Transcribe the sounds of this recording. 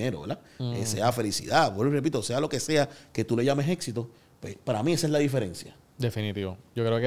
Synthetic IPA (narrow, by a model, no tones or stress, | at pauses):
eɾoβela | ḛse̞̰afe̞lisḭðawerepit̪ose̞alo̞ke̞se̞ake̞t̪ule̞ʝamese̞ksit̪o̞ | pwḛspaɾamiesaeslaðife̞ɾe̞nsja | d̪e̞finit̪iβod͡ʒokɾeok